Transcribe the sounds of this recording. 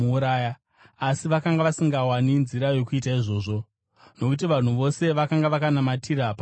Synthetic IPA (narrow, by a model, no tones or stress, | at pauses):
ɾaːja | asiʋakaŋɡaʋasiŋɡawaninziɾajo̞kuitaiʐo̞ːʐo̞ | no̞kut̬iʋan̤uʋo̞se̞ʋakaŋɡaʋakanamatʰiɾap